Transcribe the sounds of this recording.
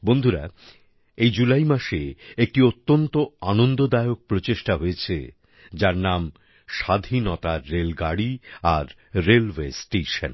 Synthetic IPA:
bond̪ʱuɾa̰ | ejd͡ʑulajmaʃeek̚ʈiot̪ːont̪oanond̪od̪aeok̚pɾot͡ɕeʃʈaɦojet͡ɕʰḛ | d͡ʑaɾnam | ʃad̪ʱinɔt̪aɾelɡaɽiaɾː | elwesʈeʃa̰n

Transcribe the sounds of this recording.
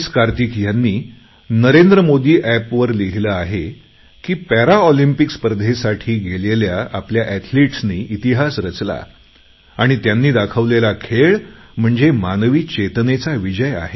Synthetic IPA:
skaɾt̪ikjanːiː | nəɾend̪ɾəmod̪iːʔæpʋəɾliɦiləaɦe | kiːpæɾaɔlimpikspəɾd̪ʱesaʈʰiːɡeleljaapljaʔɛt̪ʰliʈsniːʔit̪iɦasɾət͡sla̰ | aɽ̃it̪janːiːd̪akʰəʋlelakʰeɭm̤əɳd͡zemanʋiːt͡ɕet̪net͡saʋid͡ʑəja̰ɦe

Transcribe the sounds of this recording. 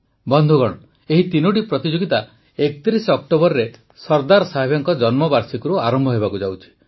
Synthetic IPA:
bɔnd̪ʱuɡɔɽ̃ɔ | eɦit̪inuʈ̬ipɾɔt̪id͡ʒoɡit̪a | ek̚t̪iɾisɔk̚ʈobɔɾɾe | sɔɾd̪aɾɔsaɦibjɔŋkɔd͡ʒɔnmɔbaɾsikɔɾuaɾɔmbʱɔɦebakud͡ʒawt͡ʃʰi̥

